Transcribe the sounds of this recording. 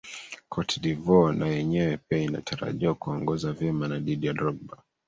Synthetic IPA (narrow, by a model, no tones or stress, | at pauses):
kʰɔtʰdivɔnajɛɲɛwɛpiaina̰tʰaɾa̰ʄiwakuɔŋɡɔzavjɛmanaɗiɗijadɾɔɡ̚ba